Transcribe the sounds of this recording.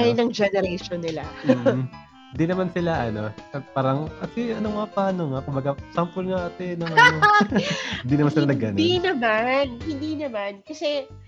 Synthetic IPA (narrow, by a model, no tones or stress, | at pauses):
ajnɐŋd͡ʒɛnɛɾɛʃonːɪlamː | hɪnd̪inɐmansɪlaʔɐno̞ɐpaːɾɐŋɐtɪʔɐnomɐŋapaːnoŋakʊmbɐɡasampʊlŋaʔɐt̪ɛnɐŋ | hɪnd̪iːnɐmansɪlanɐɡɐninɐmanhɪnd̪iːnɐmankɐsɛ